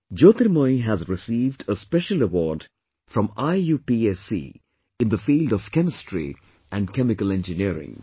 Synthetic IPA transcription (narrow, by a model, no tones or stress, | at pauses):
d͡ʒoːt̪əɾmoɪɦæzɾɪsiːvɖəspɛʃələwɔːɖ | fɾɔ̃maɪjuːpiesḭː | ɪ̃nd̪əfiːlɖɔv̥kɛmɪstɹḭ | ʔæ̃nɖkɛmɪkəlɛ̃nd͡ʒɨniəɾɪ̰̃ŋ